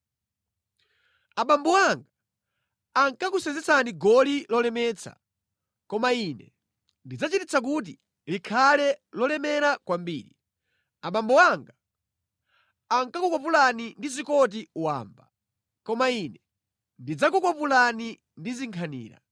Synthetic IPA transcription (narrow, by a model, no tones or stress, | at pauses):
aɓambɔwaŋɡa | aŋkakusɛnd͡zɛt͡sʰaniɡɔlilɔlɛmɛːt͡sʰa̰ | kɔmainɛ | ndid͡zat͡ʃitit͡sʰak̬ut̬i | likʰalɛlɔlɛmɛɾakwambiːɾi | aɓambɔwaŋɡa | ŋkakukwapulanindizikɔt̬iuwa̰ːmba | kɔmainɛ | ndid͡zakukwapulani | ndiziŋkʰanḭːɾa̰